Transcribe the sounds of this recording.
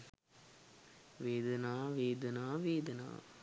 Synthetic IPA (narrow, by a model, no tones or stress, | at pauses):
ʋeːd̪ɐnaːʋeːd̪ɐnaːʋeːd̪ɐna̰ː